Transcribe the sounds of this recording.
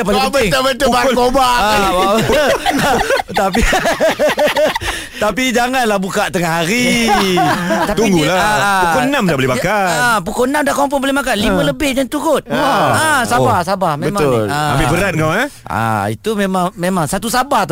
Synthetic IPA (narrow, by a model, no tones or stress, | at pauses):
apaəbt̪ʊbət̪ʊbakobaʔawa | t̪api | t̪apid͡ʒaŋanlahbukaʔt̪əŋaɦaɾi | t̪apt̪uŋɡulapukʊnamdabolibakaapukʊlnãmdahkomp̬ɔnbolihmakalimə̃ləbɪhdant̪uɾʊt̪̚asabahsabahmeəmalaa̰bibəɾat̪̚ŋawɛʔa̰ḭt̪umemaŋmemaŋsat̪usabaht̪